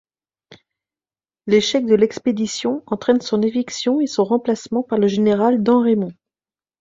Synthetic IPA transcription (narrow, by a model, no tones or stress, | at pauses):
leʃɛk̚d̪əlɛksped̪isjɔ̃ɑ̃t̪χɛnsɔ̃neviksjɔ̃esɔ̃ʁɑ̃plasmɑ̃paʁləʒeneʁald̪ɑ̃ʁemɔ̃